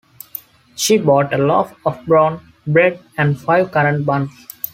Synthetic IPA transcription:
ʃiːbɔːʈəlɔ̰ːfɔfbɾɔ̃ːn | bɾeɖ | ɛ̃ɳɖfaɪʋkʌɾə̃ɳʈ̚bʌ̃ns

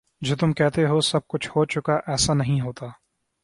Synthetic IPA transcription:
d͡ʒoːt̪ʊmkɛɦt̪eɦosɐb̚kʊt͡ʃʰhoːt͡ʃʊkaʔɛːsanɐɦĩɦoːt̪aː

